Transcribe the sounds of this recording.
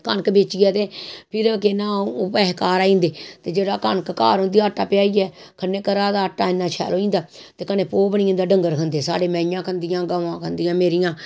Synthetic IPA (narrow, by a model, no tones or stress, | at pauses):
kənkbeːt͡ʃiaːt̪eːpʰɪɾkɪnãːpɛːɦkaːɾaːĩːnd̪eːt̪eːd͡ʒeːɽaːkənkka̰ːɾõːnd̪ijaːəʈːaːpɪjaːiɛːkʰənːeːkəɾaːd̪aːəʈːaːɪnːãːt͡ʃʰɛ̰ːloːĩːnd̪aːt̪eːkəneːpoːbəɽĩə̃nd̪aːɖəŋɡəɾkʰənd̪eːsa̰ːɖeːmɛ̃ːɪjãːkʰənd̪ɪjãːɡəʋãːkʰənd̪ɪjãːmeːɾɪjãː